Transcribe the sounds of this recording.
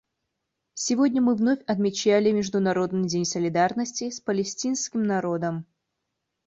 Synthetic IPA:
sʲɪvo̞dʲnʲəmɨvno̞fʲɐt̪mʲɪt͡ɕælʲɪmʲɪʐd̪ʊnɐɾo̞d̪nɨjdʲenʲsəlʲɪd̪arnəsʲtʲɪspəlʲɪsʲtʲinskʲɪmnɐɾo̞d̪əm

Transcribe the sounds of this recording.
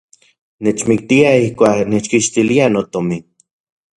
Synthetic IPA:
net͡ʃmik̚t̪iaihkʷaːknet͡ʃkiʃt̪ilianot̪omi

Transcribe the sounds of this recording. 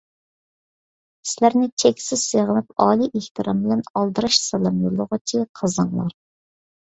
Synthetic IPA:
sɪlæɾnɪt͡ʃʰekʲsɪz̥seʁənɨp̚ɑːlˠiʔeht̪ɨɾʔɑmbɪlɛnɑlˠd̪ɨɾɑʃsɛlˠɑmjolˠːʊʁʊt͡ʃʰiqʰɑzɑŋlˠɑ̰ɾ

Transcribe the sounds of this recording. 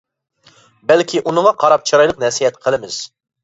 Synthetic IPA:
bɛlkʲʰiʔunɨŋɑqʰɑɾɑp̚t͡ʃʰɑɾɑjlˠəq̚nɛsijɛt̪qʰəlˠɪmɪz̥

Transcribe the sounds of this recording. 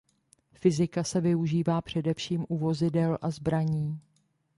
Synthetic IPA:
fɪzɪkasɛvɪuʒiːvaːpr̝̥ɛdɛfʃiːmʔuvo̞zɪdɛlʔazbɾaɲiː

